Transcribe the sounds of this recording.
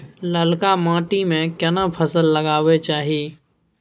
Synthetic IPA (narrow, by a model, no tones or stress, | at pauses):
ləlkamãːʈimẽkjɐnəpʰəsəlːəɡaːʋet͡ʃaːɦijeː